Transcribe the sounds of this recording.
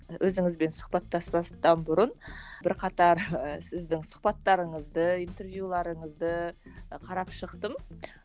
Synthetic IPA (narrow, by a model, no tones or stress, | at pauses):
wʔɵzɪŋɪzbe̞nsʊ̥χpɑt̪ːɑspɑst̪ɑnbʊɾʊnbɪɾqʰɑt̪ɑɾsɪzd̪ɪŋsʊ̥χpɑt̪ːɑɾəɴəzd̪əijnt̪e̞ɾvjulˠɑɾəɴəzd̪əqʰɑɾɑpʃəqt̪əm